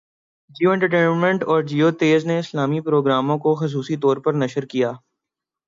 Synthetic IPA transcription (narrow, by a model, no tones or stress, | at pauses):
d͡ʒiːoɛ̃ɳʈəɾʈeːnmɛ̃ɳʈɔːɾd͡ʒiːoːt̪eːzneɪslaːmipɾoːɡɾaːmõkoxʊs̬uːsit̪ɔːɾpɐɾnɐʃəɾkijaː